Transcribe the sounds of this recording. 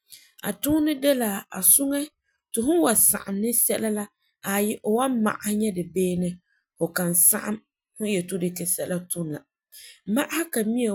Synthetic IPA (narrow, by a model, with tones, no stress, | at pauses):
a̰˨tʊː˦nɪ˦de˦la˨a̰˨sʊ˦ŋɛ˦ | tɪ˨ɦʊ˦n˦wa˨sa̰˨ʔa˨mnɪ˦sɛ˦la˦la˦ | a˨jɛ˦ʔʊ˨wa˦mma̰˨ʔa˨hɲɛ˦dɪ˨beː˦nɪ˦ | fʊ˨ka˨nsa̰˦ʔa̰˦m | hʊ˦jɛ˨to˦dɪ˨kɛ˨sɛ˦ʔla˦tʊ˦nla̰˨ | ma˦ʔa˦ha˦ka˨mi˦e˨